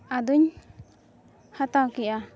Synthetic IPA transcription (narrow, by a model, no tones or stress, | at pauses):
ad̪uɲ | hat̪awkiʔa